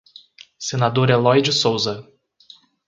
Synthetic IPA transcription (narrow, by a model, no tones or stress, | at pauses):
senad̪oɾɛlɔjd͡ʒɪsowzɐ